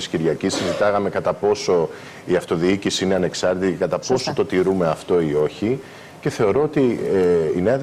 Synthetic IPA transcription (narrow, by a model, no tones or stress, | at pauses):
isciɾʝɐcisːizit̪ɐɣɐme̞kɐt̪ɐpo̞so̞ | iɐft̪o̞ðiicisiine̞ɐne̞ksɐɾt̪it̪icekɐt̪ɐpo̞sot̪o̞t̪iɾume̞ɐft̪o̞io̞çi | ce̞θe̞o̞ɾo̞ot̪ieineɐ